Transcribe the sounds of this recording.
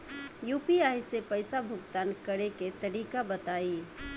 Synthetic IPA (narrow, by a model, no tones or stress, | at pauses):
juːpiajsepəɪsabʱʊɡt̪aːnkəɾeket̪əɾikabət̪aːi